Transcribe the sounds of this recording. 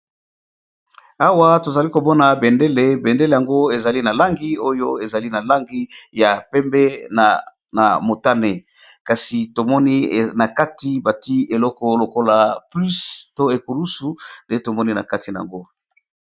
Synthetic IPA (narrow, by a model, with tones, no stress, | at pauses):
a˦wa˦to˨za˨li˦ko˨mɔ˦na˨be˨nde˦le˨be˨nde˦le˨ja˨ŋɡo˦e˨za˨li˦na˨la˦ŋɡi˦o˦jo˦e˨za˨li˦na˨la˦ŋɡi˦ja˨pɛ˦mbɛ˦ | na˨mo˨ta˦ne˨ | ka˨si˨to˨mɔ˦ni˦na˨ka˦ti˨˦ba˨ti˦e˨lɔ˦kɔ˦lo˨ko˦la˨ply˦sto˦e˨ku˨lu˦su˨nde˦to˨mɔ˦ni˦na̰˨ka˦ti˨na˨a̰˨ŋɡo˦